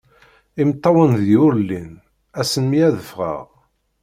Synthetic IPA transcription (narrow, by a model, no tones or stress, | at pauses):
imt̪ˤːɑwənðjʊɾlːin | æsənmijæðəfʁə̰ʁ